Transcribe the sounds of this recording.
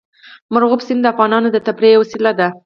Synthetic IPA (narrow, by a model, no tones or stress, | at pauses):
maɾɣʊpsind̪əafɣɑnɑnod̪ət̪apɾewasilad̪a